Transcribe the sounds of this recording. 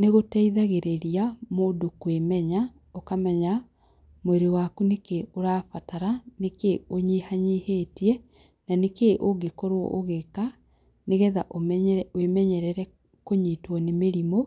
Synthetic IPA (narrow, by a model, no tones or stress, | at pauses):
neɣotɛiðaɣeɾeɾiamoːdokwemɛɲa | okamɛɲa | moeɾewakunekeoɾaːfataɾanekeoɲihaɲiheːtiɛ | nanekeʔoɡekoɾoɔ̰ʔoɣeka | neɣɛðaʔomwemɛɲɛɾɛɾɛ | koɲiːtwɔnemeɾimo